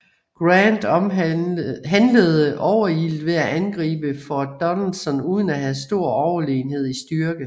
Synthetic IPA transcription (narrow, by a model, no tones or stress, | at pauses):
ɡ̥ʁænd̥ | ɦænləð̩ˠəʔɒʊɐild̥ʋe̝æʔænɡ̥ʁḭːb̥əfɒd̥ɒ̽nlsɒ̽nuːð̞ˠən̩æɦæsd̥o̝ɐ̰ɒʊɐle̝ːnhe̝ð̞̰ˠisd̥yɐɡ̥ə